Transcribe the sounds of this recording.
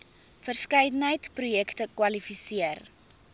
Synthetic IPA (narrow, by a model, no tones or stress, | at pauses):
fərskəjdənəjtprujɛktəkwɐlifisiər